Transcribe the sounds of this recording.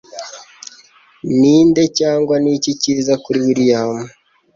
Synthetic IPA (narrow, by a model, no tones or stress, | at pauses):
niːnde̞caːŋɡwaniciciːzakuɾiwiɾijaːmo